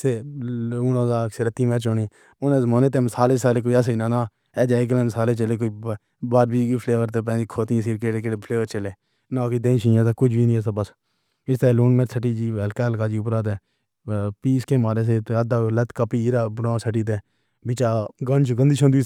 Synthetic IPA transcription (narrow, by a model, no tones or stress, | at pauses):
seːuːnãːzaːkseɾət̪ːiːmẽːt͡ʃoni | ʊnẽːzmoːnẽːt̪̬eːmsaːleːsaːleːk̬oːias̬einãːnãː | ɛːd͡ʒaːikəlẽmsaːleːt͡ʃəleːk̬oːiː | baːɾbiːɡpʰleːʋəɾt̪eːp̬ɛ̃ːd͡ʒikʰoːt̪ĩsiːɾkeɽekeɽepʰəleːʋəɾt͡ʃəleː | nãːkiːd̪ẽːĩːʃĩːãːsaːkʊd͡ʒbiːnĩːɛsaːbəs | ɪst̪eːluːnmẽːtsəʈːiːd͡ʒiːɛlkaːlkaːd͡ʒiːʊpɾaːt̪̬ɛː | piːskeːmaːɾeːs̬et̪eəd̪aːlət̪kəpiːɾaːbɾãːsəʈ̬iːt̪̬eː | bɪt͡ʃaːɡənt͡ʃɡənd̪iːʃʰə̃nd̪ui